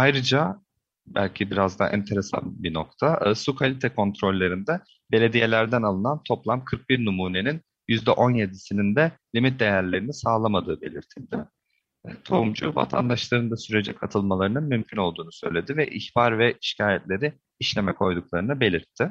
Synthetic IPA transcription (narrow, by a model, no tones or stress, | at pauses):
ajɾɯd͡ʒa | bæ̰lʲcʰibiɾazd̪a̰ʔɛ̰nt̪ʰe̞ɾesa̰nbino̞k̚t̪ʰasukʰalʲit̪ʰɛkʰo̞nt̪ɾo̞lʲːaɾɯnd̪ɛ | be̞lʲe̞d̪ije̞lʲæɾd̪ænalˠɯnant̪ʰo̞plˠamkʰɯɾk̚biɾnumuːne̞nin | jyzd̪ɛʔo̞njed̪isinind̪ɛlʲimit̪̚d̪e̞jæɾlʲe̞ɾinisaːlˠamad̪ɯːbe̞̰lʲiɾt̪ʰilʲd̪ɪ | ɛt̪ʰo̞umd͡ʒṵva̰t̪ʰa̰nd̪aʃlˠaɾɯnd̪asyɾe̞d͡ʒɛkʰat̪ʰɯlˠmalˠaɾɯnɯnmymcʰyno̞lˠd̪uːnusø̞̰jlʲe̞d̪ivɛʔiçbaɾvɛʔiʃcʰaːjɛt̪lʲe̞ɾɪ | iʃlʲe̞mɛkʰo̞jd̪uklˠaɾɯnabe̞lʲiɾt̪ʰːɪ